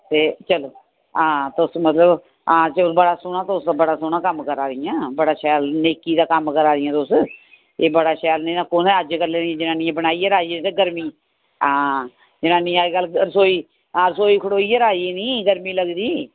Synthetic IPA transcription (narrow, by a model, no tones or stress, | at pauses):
t̪eːt͡ʃəloː | ãːt̪ʊsmət̪ləb | aːd͡ʒəbəɽaːsʊnãːt̪ːʊsabəɽaːsʊnãːkəmkəɾaːɾɪjãːbəɽaːʃɛːlneːkiːd̪aːkəmkəɾaːɾɪjãːt̪ʊs | eːbəɽaːʃɛːlnẽːnãːkoːnẽəd͡ʒkəɾleːniãːd͡ʒɪnãːnĩːãːbəɽaːiːəɾaːiːĩt̪aɡəɾmiː | ãː | d͡ʒɪnãːnĩːaːiɡəlɾəsoːiː | aːɾsoːiːkʰəɽoːiːəɾaːiːnĩːɡəɾmiːləɡd̪iː